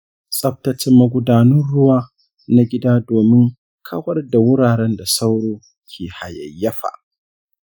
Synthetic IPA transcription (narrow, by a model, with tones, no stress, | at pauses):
sʼɐ˦ɸ̚tɐ˦t͡ʃɪ˦mːɐ˦ɡʷʊ˦daː˨nɐ˦nɽʊ˦waː˦ | na˦ɡʲɪ˦daː˦doː˨mɪ˦ŋ | kʰɐ˦wɐ˦rda˨wʊ˦ɽaː˨ɽɛ˦nda˨sa˦wɽoː˦ | kʲʰeː˨ha˨jɐ̰˨jːɐ˦ɸa̰˨ʔ